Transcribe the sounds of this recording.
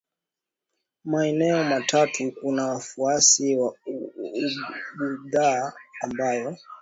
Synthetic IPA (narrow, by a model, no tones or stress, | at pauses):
maɛnɛɔmatʰatukunawafuasiwa | uɓuðaːambajɔ